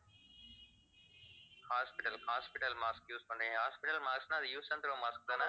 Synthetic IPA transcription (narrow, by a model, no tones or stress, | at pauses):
haːspɪʈɐlhaːspɪʈɐlmaːskjuːskoɳɖehaːspɪʈɐlmaːksnaːd̪juːsɐ̃nt̪ɾomaːsk̚d̪ɐna